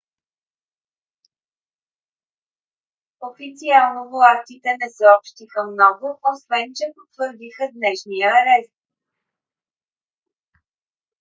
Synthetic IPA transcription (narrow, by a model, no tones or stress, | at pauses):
ofit̪sialˠnovlˠat̪it̪ɛnɛsəɔpʃt̪ixəmnɔɡʊosvɛnt͡ʃɛpot̪vəɾd̪ixəd̪nɛʃnijəɾɛst̪̚